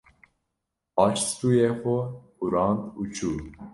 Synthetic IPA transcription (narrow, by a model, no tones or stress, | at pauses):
ɑːt͡ʃst̪uːjeːxʊ | uɾɑːnt̪uːt͡ʃʰuː